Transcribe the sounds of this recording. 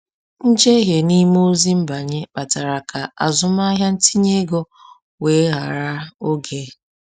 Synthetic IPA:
n̩˦d͡ʒe˦ɦe˨ni˦mo˦zi˦m̩˦ba˨ɲe˦k͡pa˨ta˨ɾa˨kʰa˨a̰˨zʊ˦m˦a˦ɦja˦n̩˦ti˦ɲe˦ɡɔ˦ | we˨˦ɦa̰˨ɾa˦o˦ɡe˦

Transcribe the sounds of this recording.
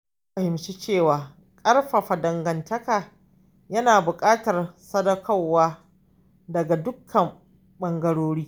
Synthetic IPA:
ɸɐ˨hɪ˨mʃi˦t͡ʃeː˦˨waː˨ | kʼɐ˦rɸa˨ɸa˨dɐ˨ŋɡɐ˨ntɐ˦kaː˨ | jɐ˦naː˨bʊ˨kʼaː˦tɐ˨rsɐ˦dɐ˦kʰɐ˦˨wːaː˦ | dɐ˨ɡa˨dʊ˦kʰːɐ˨m | ɓɐ˦ŋɡɐ˦ɽoː˦ɽiː˦

